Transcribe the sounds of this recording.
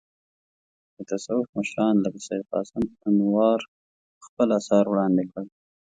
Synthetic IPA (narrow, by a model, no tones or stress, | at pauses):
d̪ət̪asawʊfməʃɾɑnlabɪsaid̪̚qɑ̰sɪmanwɑɾ | xpəlasɑɾwɽɑnd̪ɪkəɽ